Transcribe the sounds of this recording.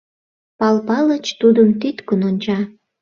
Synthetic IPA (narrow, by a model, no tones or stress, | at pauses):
pɑlpɑlət͡ɕt̪ud̪əmt̪it̪kənonʲt͡ɕɑ